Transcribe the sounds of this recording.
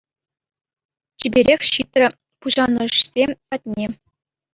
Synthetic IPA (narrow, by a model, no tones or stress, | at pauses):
t͡ɕibʲeɾʲexʲɕit̪ʲrʲɘ̆ | puʑɑnɤ̆ɕsʲepɑt̚ʲnʲe